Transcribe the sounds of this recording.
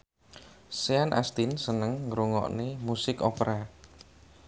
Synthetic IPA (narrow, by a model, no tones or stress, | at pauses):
seanʔa̰st̪insənəŋːɾuŋɔ̰ʔnemusɪkopɾa